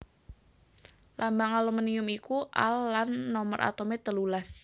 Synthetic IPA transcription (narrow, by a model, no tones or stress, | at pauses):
lambaŋaloməniʊmikuʔa̰lːanːɔmərʔa̰t̪omet̪əlulas